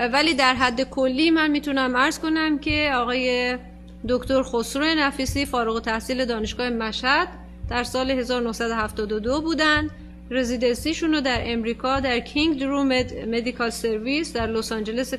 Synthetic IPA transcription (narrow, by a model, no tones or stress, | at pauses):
væliːd̪æɾɦæd̪ːe̞kʰolːiːmænmiːt̪ʰunæmæɾz̥ko̞næmcʰe̞ɒːɣɒːje̞ | d̪okʰt̪oɾxosɾojenæfiːsiːfɒːɾuɣot̪ʰæhsiːle̞d̪ɒːneʃɡ̥ɒːhemæʃhæd̪̥ː | æɾsɒːleɦe̞zɒːɾonohsæd̪o̞hæft̪ɒːd̪od̪obuːd̪ænd̪ | ɾe̞ziːd̪e̞nsiːʃunod̪æɾe̞mɾiːkʰɒːd̪æɾkʰiŋɡd̪ɾumed̪me̞d̪ikʰɒlse̞ɾvisd̪æɾlosɒnd͡ʒe̞le̞se